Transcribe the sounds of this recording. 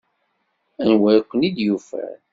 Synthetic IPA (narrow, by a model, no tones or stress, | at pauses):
ænwæɾkʷːənid̪jufæ̰ɾ